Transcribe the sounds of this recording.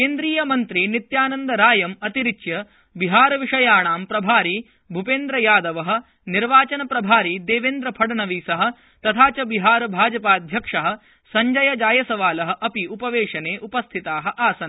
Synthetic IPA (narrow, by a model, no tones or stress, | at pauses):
keːnd̪ɾiːjɐmɐnt̪ɾinit̪jaːnɐnd̪ɐɾaːjɐmɐt̪iɾit͡ʃjɐ | biɦaːɾɐʋiʂɐjaːɳaːmpɾɐbʱaːɾi | bʱupeːnd̪ɾɐjaːd̪ɐʋɐɦɐ̆ | niɾʋaːt͡ʃɐnɐpɾɐbʱaːɾid̪eːʋeːnd̪ɾɐpʰɐɽɐnɐʋiːsɐɦɐ̆ | t̪ɐt̪ʰaːt͡ʃɐbiɦaːɾɐbʱaːd͡ʒɐpaːd̪ʱjɐkʂɐɦɐ̆ | sɐɲd͡ʒɐjɐd͡ʒaːjɐsɐʋaːlɐɦɐ̆ʔɐpiupɐʋeːʂɐneːʔupɐst̪ʰit̪aːɦɐ̆ʔaːsɐnɐ